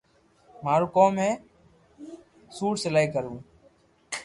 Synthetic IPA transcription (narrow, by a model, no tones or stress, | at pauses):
maːɾoːkoːmːẽː | suːʈsəlaːiːkəɾũː